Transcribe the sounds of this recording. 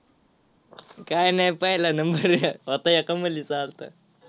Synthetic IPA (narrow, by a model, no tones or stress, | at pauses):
kajnajpəɦjlanəmbəɾəʋət̪ajəkaməlit͡salt̪a̰